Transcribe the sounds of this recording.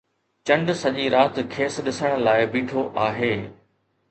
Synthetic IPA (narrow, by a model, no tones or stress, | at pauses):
t͡ɕɐ̃ɳɖsɐʄiɾaːt̪kʰeːsɗɪsəɽ̃ə̆laːɪbiːʈʰoʔaːɦeː